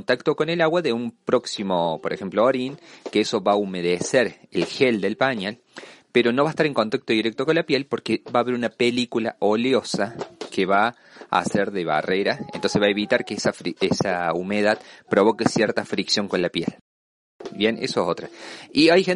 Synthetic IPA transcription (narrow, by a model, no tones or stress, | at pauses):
nt̪akt̪o̞ko̞nelaɣwaðeumpɾo̞ksimo̞poɾexemplooɾinkeeso̞βaumeð̞eseɾelxeld̪e̞lpaɲal | peɾo̞noβaest̪aɾeŋko̞nt̪ak̚t̪oðiɾek̚t̪oko̞nlapjelpo̞ɾkeβaːβe̞ɾunapelikula̰ʔo̞ljo̞sakeβa | a̰seɾðeβa̰reɾaḛnt̪onsezβaeβit̪aɾkesafɾiesaumeðaðpɾo̞β̞o̞kesjeɾt̪afɾiksjo̞ŋko̞nlapjḛl | bjenʔḛsoesot̪ɾaiajxen